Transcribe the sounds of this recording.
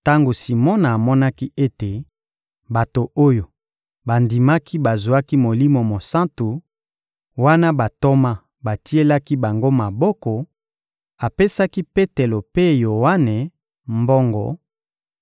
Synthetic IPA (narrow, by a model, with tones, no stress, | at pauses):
ta˦ŋɡo˨si˨mɔ˦na˨a˨mɔ˦na˦ki˦e˦te˨ | ba˨to˨o˦jo˨ | ba˨ndi˨ma˦ki˦ba˨zu˨a˦ki˦mo˨li˦mo˨mo˨sã˦nto˨ | wa˦na˦ba˨to˦ma˦ | ba˨ti˦e˦la˦ki˦ba˨ŋɡo˦ma˨bɔ˦kɔ˨ | a˨pe˦sa˦ki˦pe˦te˨lo˨pe˦jo˨wa˦ne˨ | mbɔ˦ŋɡɔ̰˨